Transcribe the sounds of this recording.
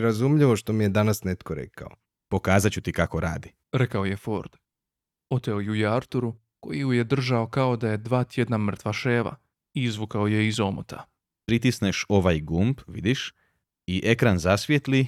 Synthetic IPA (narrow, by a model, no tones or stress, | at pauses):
ɾazumʎiʋo̞ʃt̪omijed̪anasnet̪koɾḛkʰa̰o̰ | po̞kaːzat͡ɕut̪ikakoɾa̰ːd̪i | ɾe̞kaoje̞fo̞ɾd̪̥ | o̞t̪e̞ojujeaɾt̪uɾu | ko̞̰jijuje̞d̪r̩ʒao̞kao̞d̪aje̞d̪ʋaːt̪je̞d̪namr̩t̪ʋaʃeːʋa̰ | iizʋukao̞je̞izo̞mo̰t̪ʰa̰ | pɾit̪isneʃo̞ʋajɡumbʋḭd̪iʃ | iʔe̞kɾanzasʋjet̪li